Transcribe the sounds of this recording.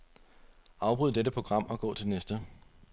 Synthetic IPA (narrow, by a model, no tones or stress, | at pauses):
ʔɑ̈ʊb̥ʁuð̰ˠd̥eɾəpʰʁo̝ɡ̥ʁɑ̈m̰ɒ̽ɡ̥ɔ̰ːt͡sʰe̝lnesd̥ə